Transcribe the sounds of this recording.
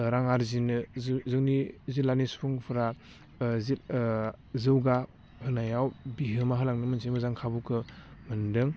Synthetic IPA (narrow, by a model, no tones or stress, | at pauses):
ɾaŋaɾzinɯzzɯŋnizilanispʰɯŋpʰɯɾa | zil | zɯwɡa | hɯnajawbiɦɯmaɦɯlaŋnɯmɯnsʰemɯzaŋkʰabukʰɯmɯndɯŋ